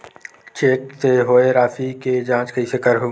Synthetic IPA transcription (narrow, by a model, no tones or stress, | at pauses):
t͡ʃeːkt̪eːɦoːeɾaːfiːkeːd͡ʒãːt͡ʃkəiːsekəɾɦu